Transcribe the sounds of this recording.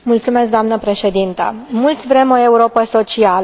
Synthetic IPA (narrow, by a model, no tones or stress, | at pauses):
mult̪sumesk̚d̪oamnəpɾe̞ʃe̞d̪int̪ə̰mult̪sʲvɾe̞mo̞e̞uɾo̞pəso̞t͡ʃial